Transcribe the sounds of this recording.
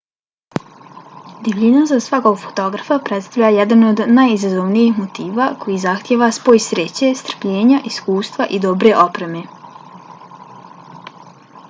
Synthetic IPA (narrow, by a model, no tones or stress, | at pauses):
d̪iʋʎinazasʋakoɡfo̞̥t̪o̞ɡɾafapɾet̪st̪aʋʎajɛd̪ano̞d̪najizazoʋnijixmot̪iːʋakʰo̞jiːzaxt̪jeːʋaspo̞ːjsɾet͡ɕe̞st̪r̩pʎeːɲaʔiskuːst̪ʋaʔid̪o̞bɾe̞ʔopɾe̞me̞